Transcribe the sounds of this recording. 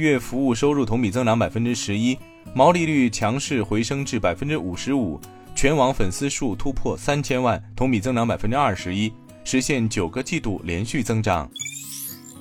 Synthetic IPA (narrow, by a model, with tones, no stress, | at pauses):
ɥɛ˥˩fu˧˥u˥˩ʂo˥ʊɻu˥˩t̪ʰʊ˧˥ŋmi˨˩t͡sɤ˥ŋʈ͡ʂɑ˧˥ŋpa˨˩fə˥nʈ͡ʂɻ̩˥ʂɻ̩˧˥i˥ | mɑ˧˥ʊli˥˧ly˥˩t͡ɕʰjɑ˧˥ŋʂɻ̩˥˩xwe˧˥ɪʂɤ˥ŋʈ͡ʂɻ̩˥˩pa˨˩ɪfə˥nʈ͡ʂɻ̩˥u˨˩ʂɻ̩˧˥u˨˩˦ | t͡ɕʰɥɛ˧˥nwɑ˧˥ŋfə˨˩nsɹ̩˥ʂu˥˩t̪ʰu˥pʰwɔ˥˩sa˥nt͡ɕʰjɛ˥nwa˥˩nt̪ʰʊ˧˥ŋpi˨˩t͡sɤ˥ŋʈ͡ʂɑ˧˥ŋpa˨˩fə˥nʈ͡ʂɻ̩˥ɐ˞˥˩ʂɻ̩˧˥i˥ | ʂɻ̩˧˥ɕjɛ˥˩nt͡ɕjo˨˩ʊɡə˦t͡ɕi˥˧t̪u˥˩ljɛ˧˥nɕy˥˩t͡sɤ˥ŋʈ͡ʂɑ˨˩˦ŋ